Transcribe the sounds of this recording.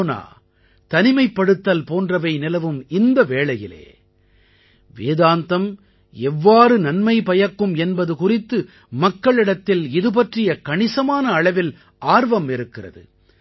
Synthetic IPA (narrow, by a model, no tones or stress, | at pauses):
na̰ː | t̪ɐnɪmɐɪpːɐɽɯt̪ːɐlpoːndrɐʋɐɪnɪlɐʋɯmɪnd̪ɐʋeːɭɐjɪlḛː | ʋeːðaːnt̪ɐm | ɛʋːaːɾɯnɐnmɐɪpɐjɐkːɯmɛnbɐðɯkʊrɪt̪ːɯ | mɐkːɐɭɪɽɐt̪ːɪlɪðɯp̬ɐʈrɪjɐkɐɳɪsɐmaːnɐːɭɐʋɪl | ʔaːɾʋɐmɪɾɯkːɪrɐ̰ðɯ̰